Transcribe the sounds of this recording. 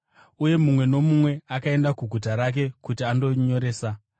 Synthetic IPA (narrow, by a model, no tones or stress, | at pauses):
uje̞mumwe̞no̞mumwe̞akae̞ndakuɡʱut̬aɾak̬e̞kutiando̞ɲo̞ɾe̞ːsa